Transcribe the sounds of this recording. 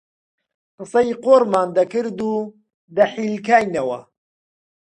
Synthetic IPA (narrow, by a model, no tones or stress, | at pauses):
qɨsɐjqoːɾmaːnd̪ɐkɨɾd̪uː | d̪ɐħiːlkaːjnɐwɐ̰